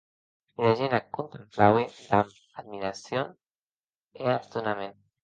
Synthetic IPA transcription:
ilaʒenakːunt̪amplawed̪am | ad̪miɾasjon | east̪unamen

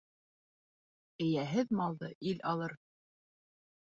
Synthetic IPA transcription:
ɘ̆jæɦɘðmɑlˠd̪ɤʔilɑlˠɤɾ

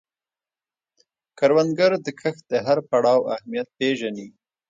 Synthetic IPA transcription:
kaɾwand̪ɡəɾd̪əkʰəxd̪əɦaɾpaɽɑwahmijat̪̚peʒani

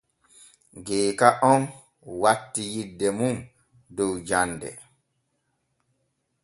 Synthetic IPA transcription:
ɡɛːkaʔɔn | watːijidːɛmun | dɔwd͡ʒandɛ̰

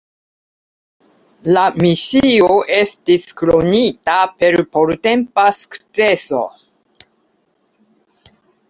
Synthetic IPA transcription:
lamisio̞ʔe̞stiskɾo̞nitape̞ɾpoɾte̞mpasu̥kt͡se̞so̞̰

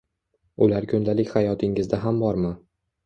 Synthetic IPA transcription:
ʊlaɾkʲʰʊnd̪alɪkʲhajɒt̪ʰɪŋɪzd̪aɦambɒɾma

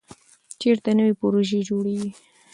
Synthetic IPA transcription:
t͡ʃeɾt̪anəwipʊɾoʒed͡ʒoɽewi

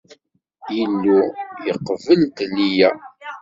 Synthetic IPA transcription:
jəlːujəqːvəlt̪lːijæ

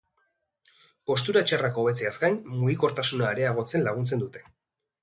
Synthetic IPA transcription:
po̞s̬t̪uɾat͡ʃarako̞ːβe̞t͡seaskajnmuɣiko̞ɾt̪asunaeɾe̞aɣ̞o̞t͡se̞nlaɣ̞unt͡se̞nd̪ut̪e̞̥

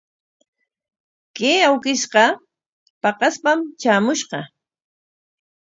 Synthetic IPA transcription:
keːawkɪʃqɑ | pɑqɑspamt͡ʃaːmʊʃqɑ

